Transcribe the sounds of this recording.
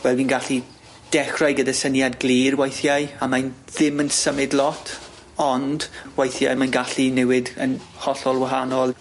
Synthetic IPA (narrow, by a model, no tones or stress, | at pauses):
wɛlˠdiːnɡaɬi | d̥ɛχrajɡədasənjadɡlˠiːrwajθjajamajnðɪmənsəmɪdlˠɔtʰ | ɔnd̥wajθja̰jmanɡaɬinɛwɪdənhɔɬɔlˠwaɦanɔlˠ